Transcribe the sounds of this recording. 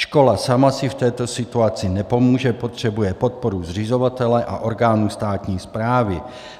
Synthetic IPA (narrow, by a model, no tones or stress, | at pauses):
ʃko̞lasamasɪft̪ɛːt̪osɪt̪uat͡sɪnɛpo̞muːʒɛpot̪r̝̥ɛbujɛpot̪̚poɾuzr̝ɪzovat̪ɛlɛʔaʔoɾɡaːnust̪aːt̪ɲiːspɾaːvɪ